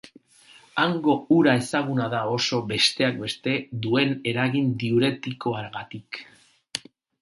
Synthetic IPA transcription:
aŋɡo̞uɾae̞saɣ̞unaðao̞so̞βe̞st̪e̞ak̚be̞st̪e̞ðue̞ne̞ɾaɣind̪iuɾe̞t̪iko̞aɾɣat̪ik

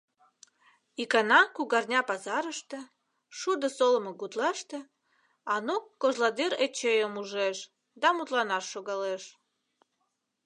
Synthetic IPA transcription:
ikɑnɑkuɣɑrnʲɑpɑzɑɾəʃt̪ĕ | ʃud̪əsoləməɣut̪lɑʃt̪ĕ | ɑnokːoʒlɑd̪iɾet͡ɕejəmuʒeʃ | d̪ɑmut̪lɑnɑʃːoɣɑleʃ

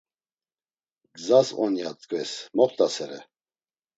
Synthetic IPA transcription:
ɡzasɔ̰njat̪ʼkʼvɛsmɔχt̪ʼasɛɾɛ

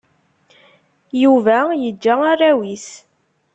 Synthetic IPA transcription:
juvæjəd͡ʒːæarːæwis

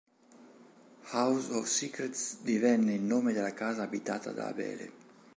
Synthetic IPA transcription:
hawzɔfsikɾet̪sd̪ivɛnːeilnoːmed̪elakaːzaːbit̪aːt̪a̰d̪a̰ːbɛ̰ːlḛ

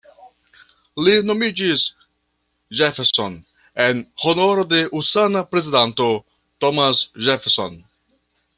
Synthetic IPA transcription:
lino̞mid͡ʒis | ʒefeɾso̞̰n | enhono̞ɾo̞de̞ʔusanapɾe̞zidanto̞ | tomasʒefeɾso̰n

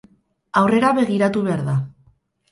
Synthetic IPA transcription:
awre̞ɾaβe̞ɣiɾat̪uβe̞aɾða

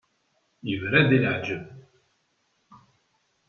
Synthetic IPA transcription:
jəvɾæd̪iləʕd͡ʒəv

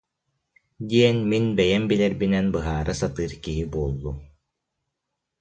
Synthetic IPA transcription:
d̪iɛnminbɛjɛmbilɛɾbinɛnbɯɦaːɾʔɯsat̪ɯːɾkiɦibuɔːlˠːu

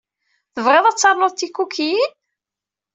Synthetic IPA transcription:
θəvʁeðˤæt͡sːɑɾˤnoðt̪ːikːukːi

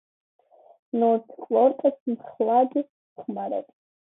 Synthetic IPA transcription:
nɔtʰkʼlɔɾkʼəsmχlˠad̪i | χʰmaɾɛ̰tʼ

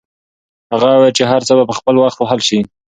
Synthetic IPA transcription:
haɣawet͡ʃeɦaɾt͡səbapəxpəlwaxt̪waɦalʃi

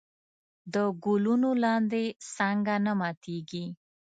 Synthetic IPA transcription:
d̪əɡulunolɑnd̪esaŋɡanamɑt̪eɡi

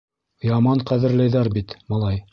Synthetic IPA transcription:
jɑmɑɴqæðɘ̆ɾlæjðæɾbit̪mɑlˠɑj

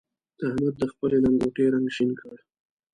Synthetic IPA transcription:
d̪̥ahmad̪̚d̪əxpəlenaŋɡoʈeɾaŋɡʃinkʰəɽe

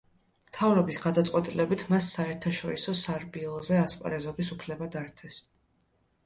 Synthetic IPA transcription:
mt̪ʰavɾɔbisɡad̪at̪sʼwɛt̪ʼilɛbit̪ʰmasːaɛɾt̪ʰaʃɔɾisɔsaɾbiɔlˠzɛaspʼɾɛzɔbisupʰlɛbad̪aɾt̪ʰɛs

